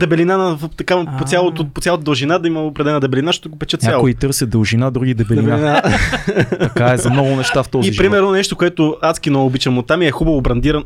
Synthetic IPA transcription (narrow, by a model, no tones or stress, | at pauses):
d̪ɛbɛlinanɐt̪ɐkapot̪sjalˠot̪ʊpot̪sʲalˠot̪əd̪ɐlˠʒinad̪ɐimɐopɾɛd̪ɛlɛnəd̪ɛbɛlinaʃt̪ot̪oɡʊpɛt͡ʃɛt̪nʲjaalˠkoit̪ɤɾsʲɐd̪əlˠʒinad̪ɾuɡid̪ɛbɛld̪ɛinbɛaina | ɐkaɛzɐmnɔɡʊnɛʃt̪aft̪ɔziiʒpɾimɛɾnonɛʃt̪okoɛt̪ʊat̪skinooːbit͡ʃɛmot̪amiɛxubɐvobɾɐnd̪iɾɐn